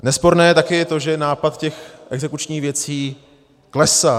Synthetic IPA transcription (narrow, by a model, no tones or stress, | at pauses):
nɛspo̞ɾnɛːjɛt̪akɪjɛt̪o̞ʒɛnaːpat̪cɛxʔɛɡzɛkut͡ʃɲiːxvjɛt͡siː | klɛsa